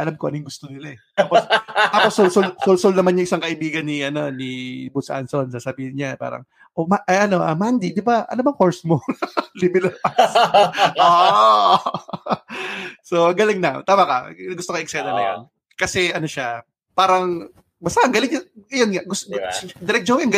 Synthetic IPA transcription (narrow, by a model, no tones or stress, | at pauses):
ʔɐlamkoʔɐnojŋɡʊst̪onɪlaɛt̪aːpost̪aːposːolsolsolsolnɐmanjʊŋʔɪsaŋkɐʔɪbiːɡɐnːɪʔɐno̞nibusʔa̰nso̞nsasɐbiːhɪnɲapa̰ːɾɐ̰ŋ | ʔomaʔɐʔɐno̞ʔɐmand̪id̪ɪbaʔɐ̰nomɐŋhoɹsmolɪmɪlɐasʔo | so̞ʔɐŋɡɐlɪŋnɐ̰t̪aːmakɐ̰ɐɡʊst̪okɪʔɛk̚sɛlɐnɐ̰jo̰n | kɐsɛʔɐno̞ʃa | paːɾɐŋ | bɐst̪ɐʔɐŋɡɐlɪŋɲɐɐjonŋaʔɡʊsd̪ɪɾɛk̚d͡ʒoŋɐŋɡ